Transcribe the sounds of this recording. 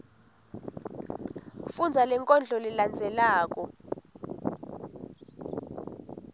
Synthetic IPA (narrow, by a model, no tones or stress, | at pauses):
fund͡zʱalɛŋkʼɔnd͡ɮʱɔliland͡zʱɛlaːk̬ɔ